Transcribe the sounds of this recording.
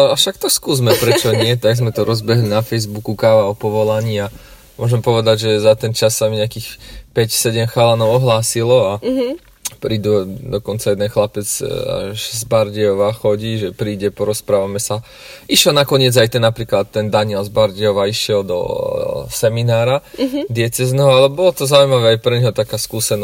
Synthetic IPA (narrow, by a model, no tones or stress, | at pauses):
afʃak̚t̪ɔskuːzmɛpɾɛt͡ʃɔɲɪɛt̪aɡzmɛt̪ɔɾɔzbɛɦlinafɛjzbukukaːʋaɔpɔʋɔlaɲia | mʊɔʒɛmpɔʋɛd̪aɟʒɛzat̪ɛnt͡ʃasːamiɲɛakiːxpɛcsɛɟɛmxalanɔʊɔɦlaːsilɔa | pɾiːd̪ud̪ɔkɔnt͡sajɛd̪ɛnxlapɛd͡za̰ʒzbaɾɟɛɔʋaxɔɟiːʒɛpɾiːɟɛpɔɾɔspɾaːʋamɛsa | iʃɛlnakɔɲɪɛd͡zajt̪ɛnːapɾiːklat̪ːɛnd̪aɲɪɛlzbaɾɟɛɔʋaiʃɪɛld̪ɔ̰sɛminaːɾad̪ɪɛt͡sɛznɛɦɔalɛbɔlɔt̪ɔzaujmaʋɛajpɾɛɲɦɔt̪akaːskuːsɛnɔ